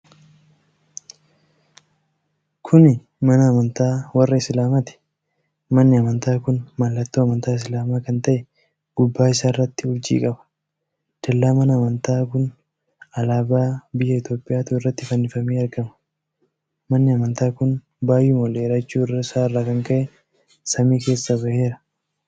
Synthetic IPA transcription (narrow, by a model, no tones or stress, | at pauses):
kʰʊnɪ | mɐnɐːmɐnt̪aːwɐrːɐɪslaːmɐt̪ɪ̥ | mɐnːɪɐmɐnt̪aːkʊnmalːɐt̪ːoːɐmɐnt̪aːɪs̬laːmaːkɐnt̪ɐʔɛ | ɡ̥ʊbːaːɪsaːɪrːɐt̪ːɪʊɾd͡ʒḭːkʼɐbɐ̥ | d̪̥ɐlːaːmɐnɐːmɐnt̪aːkʊn | ɐlaːbaːbɪjːɐɪt̪jo̞ːpʼːɪʔjaːt̪uːɪrːɐt̪ːɪfɐnːɪfɐmeːɐɾɡɐmɐ̥ | mɐnːɪɐmɐnt̪aːkʊn | baːjːʊmɔle̞ːɾɐt͡ʃːuːɪrːɐɪsaːɪrːaːkɐŋkɐʔɛ | sɐmiːke̞ːsːɐbɐhe̞ːɾɐ